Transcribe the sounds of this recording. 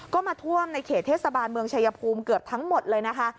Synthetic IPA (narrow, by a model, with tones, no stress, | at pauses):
kɔː˥˩maː˧t̪ʰu˥˩əmna˧jkʰeː˨˩t̪ʰːeː˥˩t̪sa˧baː˧nmɯ˧əŋt͡ɕʰa˧jːa˧pʰuː˧mkɯ˨˩əp̚t̪ʰa˦˥ŋmo˨˩t̪̚lɤː˧jna˦˥kʰa˦˥ʔ